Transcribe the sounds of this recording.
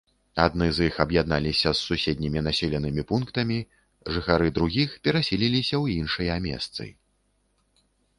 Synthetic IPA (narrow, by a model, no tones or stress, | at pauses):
ad̪nɨzjixɐbjad̪̚nalʲisʲɐsːusʲed̪ʲnʲimʲinasʲɛlʲɐnɨmʲipunkt̪ɐmʲi | ʐɨxaɾɨd̪ɾuɣʲixpʲɛɾasʲilʲilʲisʲɐwinʂɨjɐmʲɛ̰st̪sɨ̰j